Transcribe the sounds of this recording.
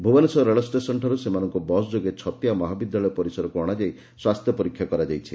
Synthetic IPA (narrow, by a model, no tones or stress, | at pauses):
bʱubɔnesɔɾeɭɔsʈesɔnʈʰɔɾusemanɔŋkɔbɔsd͡ʒoɡet͡ʃʰɔt̪jamɔɦabid̪jalɔjɔpɔɾisɔɾɔkuɔɽ̃ad͡ʒaj | swast̪ʰjɔpɔɾikʰːjakɔɾad͡ʒajt͡ʃʰi